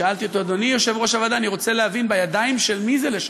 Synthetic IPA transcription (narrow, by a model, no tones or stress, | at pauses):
aalt̪iot̪o̞ad̪o̞nijoʃe̞vʁo̞ʃavad̪aːniʁo̞t͡seleɦavinbajadaimʃe̞lmizeleʃ